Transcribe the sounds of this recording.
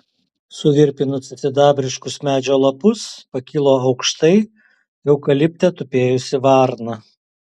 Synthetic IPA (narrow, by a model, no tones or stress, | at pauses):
sʊʋʲɪɾʲpʲɪnʊsʲɐsʲɪd̪ɑːbʲɾʲɪʃkʊsmʲæːd͡ʒʲoːlˠɐpʊspɐkʲiːlˠoːɐʊkʃt̪ɐɪ | jɛʊkɐlʲɪpʲt̪ʲɛt̪ʊpʲeːjʊsʲɪʋɑˑɾnɐ